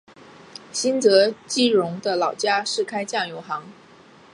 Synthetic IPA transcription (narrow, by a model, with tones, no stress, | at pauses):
ɕi˥nt͡sɤ˧˥t͡ɕi˥˩ɻʊ˧˥ŋd̪ə˧lɑ˨˩ʊt͡ɕja˥ʂɻ̩˥˩kʰa˥ɪt͡ɕjɑ˥˩ŋjo˧˥ʊxɑ˧˥ŋ